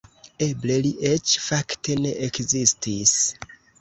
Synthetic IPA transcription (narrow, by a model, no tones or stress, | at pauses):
ebleliʔet͡ʃfaktʰeneʔekzistʰis